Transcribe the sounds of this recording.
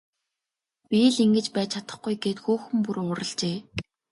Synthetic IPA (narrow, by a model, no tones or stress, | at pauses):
pʲiɮiŋɡɘ̆t͡ɕpæːt͡ɕʰat̪ə̆χɡujɡeːt̪xuːxɘ̆mpuɾʊːɾə̆ɮt͡ɕeː